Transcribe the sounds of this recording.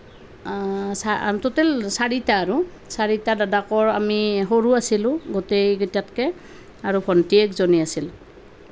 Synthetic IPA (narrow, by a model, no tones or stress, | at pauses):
satotɛlsaɹitaːɹu | saɹitadadakɔɹamiɦoɹuasilʊ̃ɡotejɡtjatkɛ | aɹubʰʱɔntiekzoniasil